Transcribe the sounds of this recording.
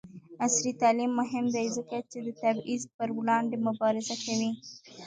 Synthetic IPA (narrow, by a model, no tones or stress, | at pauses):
asɾit̪ɑlimːʊɦɪmd̪ajzəkat͡ʃed̪ət̪abizpəɾwlɑɳɖemʊbɑɾɪzakawi